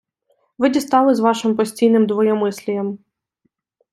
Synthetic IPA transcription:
ʋɪdʲist̪ɑlˠɪzʋɑʃɪmpɔsʲtʲijnɪmd̪ʋɔjɔmɪsʲlʲijɐm

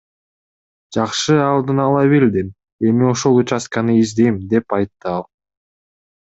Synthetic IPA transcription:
d͡ʒɑqʃɯɑlˠd̪ɯnɑlˠɑβeld̪im | e̞mio̞ʃo̞lˠut͡ʃaskɑnɯizd̪e̞jmd̪e̞pɑjt̪ːɯɑlˠ

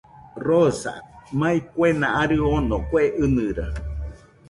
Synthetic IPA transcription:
rosa̰mãĩkʷenãʔaɾɨonõkweʔɨnɨ̃ɾa

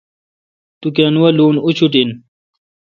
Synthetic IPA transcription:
t̪ukanuwɐluːnut͡ɕʰuʈin

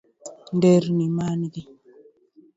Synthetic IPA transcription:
ndeɾnimaːnidi

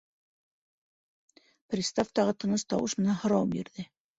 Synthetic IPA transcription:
prʲist̪aft̪ɑʁɤt̪ɤ̆nɤst̪ɑwɤʃmɘ̆nænhŏɾɑwpbḭɾðɘ

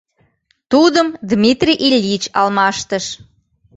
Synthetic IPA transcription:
t̪ud̪əmd̪mʲit̪rʲiʔilʲːit͡ɕɑlmɑʃt̪əʃ

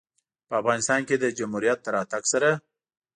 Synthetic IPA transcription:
pəafɣɑnɪst̪ɑnked̪əd͡ʒamhuɾijat̪̚ːaɾɑt̪aɡsaɾa

